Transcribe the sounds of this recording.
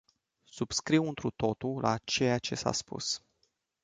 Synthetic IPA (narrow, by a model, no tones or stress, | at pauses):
sub̥skɾiwɨnt̪ɾut̪o̞t̪ulʔa̰t͡ʃe̞jat͡ʃe̞sa̰spṵs